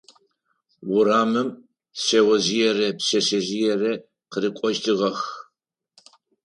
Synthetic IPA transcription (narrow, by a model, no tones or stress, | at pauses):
wʊɾaːmɨm | sɐwɐzijɛrɐpɕɐsɐzijɛrɐ | qəɾɨkʷʼɔʒtʰɨʁɐx